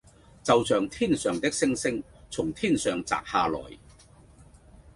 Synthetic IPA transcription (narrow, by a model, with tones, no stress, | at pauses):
t͡sɐ˨wt͡sœː˨˧ŋt̪ʰiː˥nsœː˨ŋt̪ɪ˥k̚sɪ˥ŋsɪ˥ŋ | t͡sʰʊ˨˩ŋt̪ʰiː˥nsœː˨ŋt͡sa̰ː˨k̚haː˧lɔ̰ː˨˩j